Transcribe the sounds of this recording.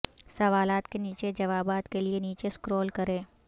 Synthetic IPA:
sɐʋaːlaːt̪keniːt͡ʃed͡ʒɐʋaːbaːt̪kelieniːt͡ʃeskɾɔːlkɐɾẽː

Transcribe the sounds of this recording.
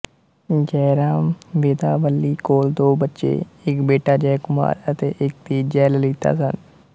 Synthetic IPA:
ɡɛːɾaːmʋeːd̪aːʋəlːiːkoːld̪oːbətːʃḛːɪkbeːʈaːd͡ʒɛːkʊma̰ːɾət̪eːʔɪk̚t̪iːd͡ʒɛːləliːt̪a̰ːsən

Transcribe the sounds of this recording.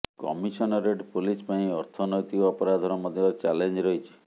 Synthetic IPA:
kɔ̰misɔnɔɾeɖpulispaĩɔɾt̪ʰɔnɔjt̪ikɔpɔɾad̪ʱɔɾɔmɔd̪ʱjɔt͡ʃalend͡ʒɾɔɦit͡ʃʰi̥

